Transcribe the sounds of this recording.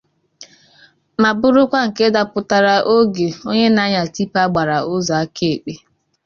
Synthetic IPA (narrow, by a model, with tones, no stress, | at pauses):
ma˨bʊ˦ɾʊ˦kʷa˦ŋ̩˨ke˦da˨pʊ˦ta˨ɾa˨ʔo˦ɡe˨o˦ɲe˦na˦ɲa˨ti˦pa˦ɡ͡ba˨ɾa˨ʊ˦za˨a˦ke˦e˨k͡pe˦